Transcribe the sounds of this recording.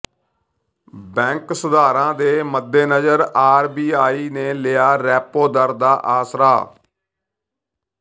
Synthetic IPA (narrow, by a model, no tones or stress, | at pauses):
bɛ̃ːŋksəd̪aːɾãːd̪eːməd̪ːeːnəd͡ʒəɾaːɾbiːaːiːneːlɪaːɾɛːpoːd̪əɾd̪aːʔaːsɾa̰ː